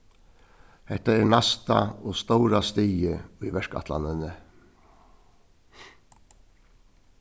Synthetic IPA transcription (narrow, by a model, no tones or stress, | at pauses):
hɛt̪aɛːɹnast̪a̰ɔst̪owɾast̪iːjɪiʋɛʂka̰t̪la̰nɪnə